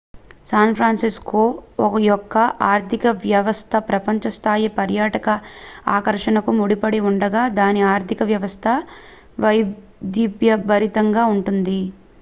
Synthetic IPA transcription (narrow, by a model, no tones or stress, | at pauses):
saːnpʰɾaːnsiskoːɔkɐjɔkːɐʔaːɾt̪ʰikɐʋjɐʋɐst̪ʰɐpɾɐpɐɲt͡ʃɐst̪ʰaːjipɐɾjaːʈɐkɐaːkɐɾʂɐnɐkumuɽipɐɽiuɳɖɐɡaːd̪aːniaːɾt̪ʰikɐʋjɐʋɐst̪ʰɐ | ʋɐj | d̪ibjɐbɐɾit̪ɐŋɡaːuɳʈund̪i